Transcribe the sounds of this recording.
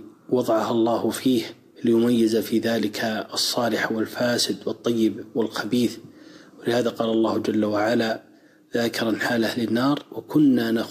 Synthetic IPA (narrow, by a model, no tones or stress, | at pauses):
wɑðˤɑʕɑhɑlˤːɑːhʊfiːh | lɪjʊmajːɪzafiːðaːlɪkʰaɑsˤːɑːlɪħwɪlfaːsɪd̪wɨt̪ˤːɑjːɪbwɪlxabiːθwɪlɪhaːðaqɑːlɑlˤːɑːhʊd͡ʒalːawaʕala | ðaːkɪɾˤɑnħaːlahlɪnːɑːɾˤwakʊnːana